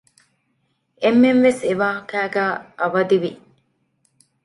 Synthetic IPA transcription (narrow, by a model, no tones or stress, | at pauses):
emːenʋeseʋaːɦɐkæːɡæːʔɐʋɐd̪iʋi